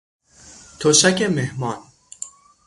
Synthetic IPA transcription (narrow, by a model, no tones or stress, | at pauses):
t̪ʰoʃækemehmɒːn